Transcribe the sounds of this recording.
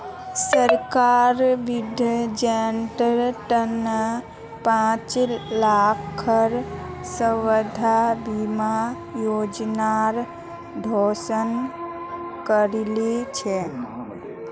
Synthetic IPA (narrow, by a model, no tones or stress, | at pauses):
səɾkaɾʋɪd̪ʱjəd͡ʒeɳʈəɾʈən | pãt͡ʃlakʰəɾsəwəd̪ʱabima | joːd͡ʒnaɾ | d̪ʱoːsən | kəɾlit͡ʃʰɛ